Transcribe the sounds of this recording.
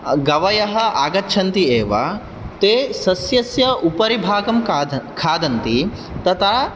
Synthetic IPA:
ɡɐʋɐjɐɦɐ̆aːɡɐtːʃʰɐnt̪ieːʋa | t̪eːsɐsjɐsjɐupɐɾibʱaːɡɐmkʰaːd̪ɐnt̪i | t̪ɐt̪ʰaː

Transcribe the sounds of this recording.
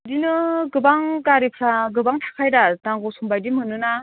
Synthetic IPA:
dinɯɡɯbaŋkaɾipʰɾaɡɯbaŋtʰḁkʰajdataŋɡɔsumbajdimɯnɯna

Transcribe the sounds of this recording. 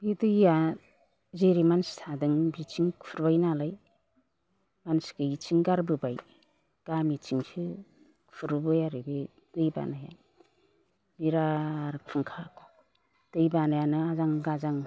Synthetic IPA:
bidɯja | zeɾimanstʰadɯŋbit͡ʃiŋkʰpʰuɾbajnalaj | mansɡɯit͡ʃiŋɡaɾbɯbaj | ɡ̥amit͡ʃiŋsi | kʰpʰɯɾɯbɯjaɾɯbi | tɯjba̰naja̰ | biɾaɾk̚pʰɯŋkʰakʰɔ̥ | tɯjbanajanɯazaŋɡazaŋ

